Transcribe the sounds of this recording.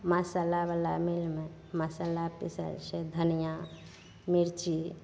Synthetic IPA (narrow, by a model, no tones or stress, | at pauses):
masalaʋalamilmẽ | masalapḭsə̰lsed̪ʱənija | miɾt͡ʃi